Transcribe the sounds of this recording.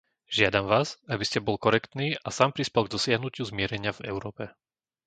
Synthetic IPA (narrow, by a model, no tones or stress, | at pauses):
ʒɪad̪amʋaːzabiscɛbɔlkɔɾɛkt̪niːʔasaːmpɾispɛlɡd̪ɔsɪaɦnucɪuzmɪɛɾɛɲɪavɛ̰ʊɾɔːpɛ